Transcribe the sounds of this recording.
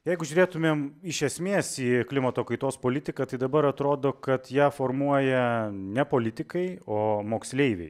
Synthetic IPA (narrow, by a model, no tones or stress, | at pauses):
jɛɪɡʊʒʲʊːɾʲeːt̪ʊmʲeːmɪʃʲɛsʲmʲeːsiːklʲɪmɐt̪oːkɐɪt̪oːspoːlʲɪt̪ʲɪkɐːt̪ɐɪd̪ɐbɐɾɐt̪ɾoːd̪oːkɐt̪jæːfoːɾmuɔjɛnʲɛpoːlʲɪt̪ʲɪkɐɪoːmoːksʲlʲeɪʋʲḛɪ